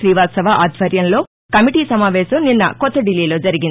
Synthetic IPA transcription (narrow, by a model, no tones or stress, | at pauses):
ʃɾiːʋaːt̪sɐʋaʔaːd̪ʱʋɐɾjɐnlo̞ː | kɐmiʈiːsɐmaːʋɛːsɐmninːɐ̰kɔt̪ːɐɖilːiːlo̞ːd͡ʒɐɾiɡin